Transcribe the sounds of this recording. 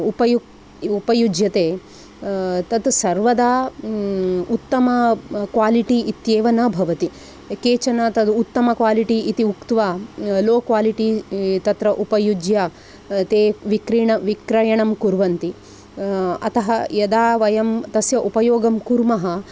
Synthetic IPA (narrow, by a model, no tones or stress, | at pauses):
upɐjuk | upɐjud͡ʒjɐt̪eː | t̪ɐt̪sɐɾʋɐd̪aː | ut̪ːɐmɐkʋaːliʈiʔːt̪jeːʋɐnɐbʱɐʋɐt̪i | keːt͡ʃɐnɐt̪ɐd̪ut̪ːɐmɐkʋaːliʈiit̪iukt̪ʋaːloːkʋaːliʈit̪ɐt̪ɾɐʔupɐjud͡ʒjɐ | t̪eːʋikɾiːɳɐʋikɾɐjɐɳɐmkuɾʋɐnt̪i | ɐ̰t̪ɐɦɐjɐd̪aːʋɐjɐmt̪ɐsjɐʔupɐjoːɡɐmkuɾmɐɦɐ